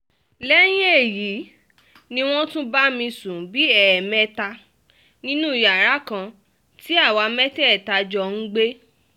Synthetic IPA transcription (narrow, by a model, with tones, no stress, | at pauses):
lɛ˦j̃ĩ˦e˦˨ji˨˦ | nĩ˧w̃ɔ̃˦tũ˦ba˦mĩ˧sũ˨˦bi˨˦ɛ˨mɛ̃˨˦ta˧ | nĩ˦nũ˦i˨ja˨ɾa˨˦kã˧ | ti˦a˦˨wa˧mɛ˦tɛ˦˨ta˧d͡ʒɔ˧n̩˦ɡ͡be˦